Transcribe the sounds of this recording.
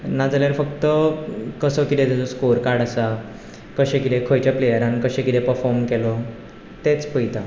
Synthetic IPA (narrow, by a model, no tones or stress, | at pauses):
nad͡zljaɾfəkt̪əkəsəkit̪et̪ed͡zɔskuɾkaɽ̤asa | kəɕẽkit̪ẽkʰojt͡ɕjaplejəɾãnkəɕẽkit̪ẽpəɾfɔɾmkelɔ | t̪et͡spəjt̪a